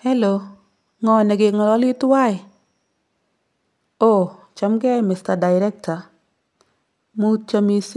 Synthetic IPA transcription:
hɛ˦lo | ŋɔ˨nɛ˨ɡɪ˨kŋɔ˨lɔ˦lɪ˦tʊ˦wa˦ɪ˨ | o˨ | t͡ʃa˦mɡɛ˦jmɪ˨sta˨da˨ɪɾɛ˦k̚ta˨ | mu˦t͡ʃa˨mi˨s

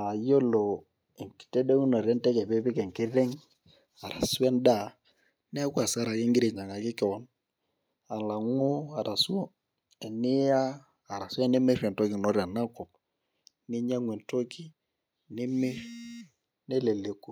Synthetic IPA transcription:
a˨jo˦lo˨ | e˨ki̥˨te˦de˦ŋu˦no˨ɾɛ˦ntɛ˦ke˨pe˦pɪ˦kɛ˨ŋkɪ˦ɾe˦ŋ | a˨ɾa̰˨su˦ɛ˦nda˦˨ | nɛ˦ku˦a˨sa˦ɾa˨je˦ŋɡɪ˦ɾi˨ɲa˨ŋa˨kɪ˦kɛ˨wɔ˦n | a˨la˨ŋu˦a˨ɾa˨su˦o˦ | e˨nɪ˦jaː˦˨ | ɾa˨sa˦ne˦me˦rɛ˨to˦kɪ˨no˦ɾja˨na˦kɔ˨p̚ | nɪ˦ɲa˦ŋwe˨nto˦ki˦ | ne˦me˦ʃ | ne˦le˨le˨ku˨

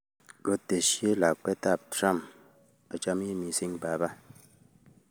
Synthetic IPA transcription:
lo˦te˨ʃje˦la˨k͡pɛ˦ta˦˨p̚tɾa˦˨m | a˨t͡ʃa˦m˦i˦mi˨si˦ŋba˨˦ba˦

